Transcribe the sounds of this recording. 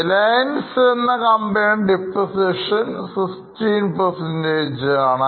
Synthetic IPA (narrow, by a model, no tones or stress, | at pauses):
lajɐnsɨenːɐkɐmbeːɳɖipːosiʂɐnsikstiːnpɐrsendeːd͡ʑɨaːɳɨ